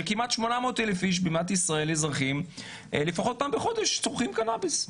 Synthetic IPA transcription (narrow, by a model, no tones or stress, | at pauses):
kimat̪ʃmo̞namoːtelefiʃ̬bimat̪isʁae̞lezʁaχim | lefaχo̞t̚paːmbeχo̞d̪eʃt͡soʁχimkanabis